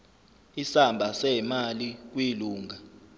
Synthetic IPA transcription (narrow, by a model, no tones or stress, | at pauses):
isambʱasɛmalik̬wiluːŋa